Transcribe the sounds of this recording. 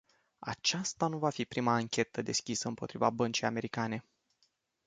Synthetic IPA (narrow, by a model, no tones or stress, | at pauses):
a̰t͡ʃast̪anuvafipɾimaːŋkʲʰe̞t̪əd̪e̞skʲisəɨmpo̞t̪ɾivabənt͡ʃijame̞ɾikane̞